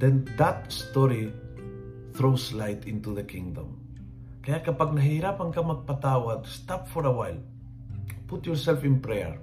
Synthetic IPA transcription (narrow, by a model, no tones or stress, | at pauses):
d̪ɛ̃nd̪at̪st̪ɔɾi | θɾowslajt̪ɪ̃nt̪uðəkɪ̃ŋd̪ɔ̰̃m | kɐjakɐpaɡ̚nɐɦejɾapɐŋkamaɡ̚pat̪awat̪st̪apfɔɾɐwajl | pʊt̪jɔɹsɛlfɪ̃npɾɛ̰ɹ